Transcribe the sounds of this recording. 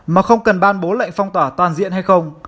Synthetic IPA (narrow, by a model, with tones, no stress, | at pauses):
maː˨˩xə˧wŋ͡mkə˨˩nɓaː˧nɓo˨˦la̰˧˨ŋ̟fɔ˧wŋ͡mt̪waː˧˩t̪waː˨˩nzḭ˧˨ənha˧jxə˧wŋ͡m